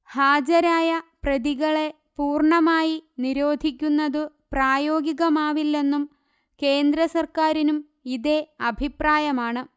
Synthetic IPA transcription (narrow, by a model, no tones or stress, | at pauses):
haːd͡ʑɐɾaːjɐprɐðiɣɐɭe̞ | puːrɳɐmaːjiniɾo̞ːd̪ʱikʲːunːɐðɨ | praːjo̞ːɡiɣɐmaːʋilːe̞nːum | ke̞ːnd̪ɾɐsɐrkaːɾinum | iðe̞ɐbʱipraːjɐmaːɳɨ